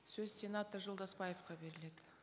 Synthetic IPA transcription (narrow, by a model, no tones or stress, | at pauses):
sɵzsʲe̞nat̪ərʒo̞lˠd̪ɑspɑjefqɑbe̞ɾɪled̪ɪ